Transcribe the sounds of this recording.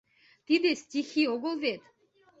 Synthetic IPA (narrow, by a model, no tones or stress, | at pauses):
t̪id̪estʲixioɣolˠvet̪